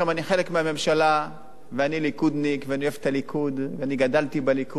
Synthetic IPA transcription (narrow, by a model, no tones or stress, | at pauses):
amaniχe̞lekmeame̞mʃala | veanilikud̪nikveanioefet̪alikʰud̪veaniɡad̪alt̪ibeliku